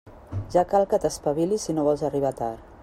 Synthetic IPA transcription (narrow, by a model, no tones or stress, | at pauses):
ʒakalˠkət̪əspaβilisinoβɔlˠzariβ̞at̪a̰ɾ